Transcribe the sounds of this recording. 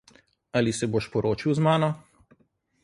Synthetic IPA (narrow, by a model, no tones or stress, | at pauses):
aːlisɛboːʃpɔɾoːt͡ʃiwzmaːnɔ